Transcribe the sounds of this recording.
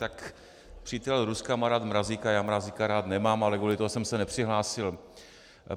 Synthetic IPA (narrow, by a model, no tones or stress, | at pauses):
t̪ak | pr̥iːt̪ɛlɾuskamaɾaːt̪mɾaziːkajaːmɾaziːkaɾaːt̪nɛmaːmalɛkuːlɪt̪oɦosɛmsɛnɛpr̥ɪɦlaːsɪl